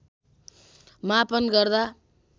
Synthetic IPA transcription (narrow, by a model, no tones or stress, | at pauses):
mapʌnɡʌrd̪a